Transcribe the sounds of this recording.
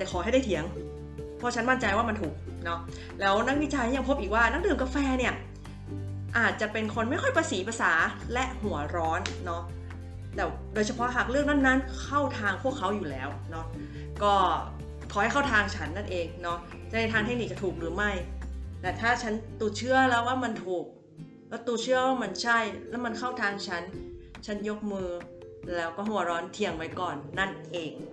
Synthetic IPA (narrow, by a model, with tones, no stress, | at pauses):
t̪ɛː˨˩kʰɔː˩˦ɦa˥˩jda˥˩jt̪ʰi˩˦əŋ | pʰɔ˦˥˩t͡ɕʰa˦˥nma˥˩nt͡ɕa˧jwaː˥˩ma˧nt̪ʰuː˨˩k̚ | nɔ˦˥ | lɛː˦˥wna˦˥k̚wi˦˥t͡ɕa˧jja˧ŋpʰo˦˥pʔiː˨k̚waː˥˩na˦˥dɯː˨˩mka˧fɛː˧ni˥˩ɐ | ʔaː˨˩t̪̚t͡ɕa˨˩pe˧nkʰo˧nma˥˩jkʰɔ˥˩jpʰaː˧siː˩˦pʰa˧saː˩˦lɛ˦˥ʔhu˨˩˦ɐɾɔː˦˥nːɔ˦˥ʔ | t̪ɛː˨˩w | doː˧jt͡ɕʰa˧pʰɔ˦˥ɦa˨˩k̚lɯ˥˩ək̚na˥˩nːa˦˥˨nkʰa˥˩wt̪ʰaː˧ŋpʰu˥˩əkʰːa˦˥wjuː˨˩lɛː˦˥w | nɔ˦˥ | kɔː˥˩ | kʰɔː˩ha˥˩jkʰa˥˩wt̪ʰaː˧ŋt͡ɕʰa˦˥nːa˥˩nʔeː˧ŋnɔ˦˥t͡ɕa˨˩na˧˩t̪ʰaː˧ŋt̪ʰe˦˥k̚ni˨˩k̚t͡ɕa˨˩t̪ʰuː˨˩k̚ɾɯː˩˦ma˥˩jna˧˩t̪ʰaː˥˩t͡ɕʰa˦˥nt̪uː˨˩t͡ɕʰɯ˦˥ɐlɛ˦˥waː˥˩ma˧nt̪ʰuː˨˩k̚ | lɛː˦˥t̪uː˧t͡ɕʰɯ˦˥əwaː˥˩ma˧nt͡ɕʰa˥˩jlɛ˦˥wma˧nkʰa˥˩wt̪ʰaː˧ŋt͡ɕʰa˦˥nt͡ɕʰa˦˥njo˦˥k̚mɯː˧ | lɛː˦˥wkɔː˥˩ɦu˩˦ɐɾɔː˦˥nt̪ʰi˧əŋwa˦˥jkɔː˨˩nːa˥˩nʔeː˧ŋ